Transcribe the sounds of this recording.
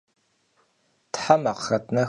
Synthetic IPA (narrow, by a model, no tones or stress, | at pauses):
tħamaqxɐt̚ʰʼnɐ